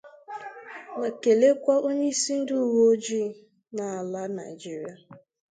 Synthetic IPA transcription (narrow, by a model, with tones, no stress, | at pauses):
na˨ke˨le˦kʷa˦ʔo˦ɲe˦i˦si˦n̩˦du˦wo˦o˦d͡ʒi˦ | na˨la˦na̰˨ɪ˨d͡ʒi˦ɾi˦a˨